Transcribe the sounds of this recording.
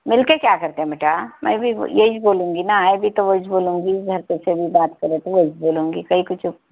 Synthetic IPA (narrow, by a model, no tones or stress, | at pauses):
mɪlkekjaːkɐɾt̪ẽɦɛ̃mɐʈaːmʔɛ̰̃bʱḭjeid͡ʒboːlũːŋɡinaaːebʱit̪oʋod͡ʒboːlũːŋɡiɡʱɐɾt̪esebʱibaːt̪kɐɾẽt̪oʋod͡ʒboːlũːŋɡikɐikʊt͡ʃʰ